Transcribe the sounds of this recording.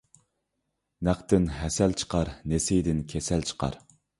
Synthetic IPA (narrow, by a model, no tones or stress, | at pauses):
næqt̪ɪnɦɛsælt͡ʃʰə̥qʰɑɾnesɪjd̪ɪnkʲʰɛsælt͡ʃʰə̥qʰɑ̰ɾ